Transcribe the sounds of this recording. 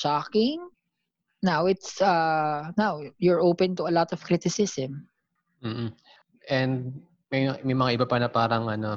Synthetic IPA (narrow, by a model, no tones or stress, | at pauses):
ʃakɪŋ | nawɪt̪sɐnawjʊɹʔoːpɛ̃nt̪ʊɐlɔt̪ɔv̥kɾɪt̪ɪsɪsɛ̃m̩ː | ʔɛnd̪̚ | mɐjmɐjmɐŋaʔɪbapanɐpaːɾɐŋʔɐno